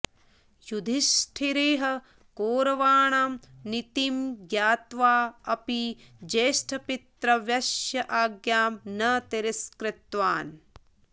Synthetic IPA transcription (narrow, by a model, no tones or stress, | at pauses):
jud̪ʱiʃʈʰiɾeːɦɐ | koːɾɐʋaːɳaːmnit̪imɡjaːt̪ʋaːɐpid͡ʒeːʃʈʰɐpit̪ɾɐʋjɐʃjɐʔaːɡjaːmnɐt̪iɾiskɾɪt̪ʋaːn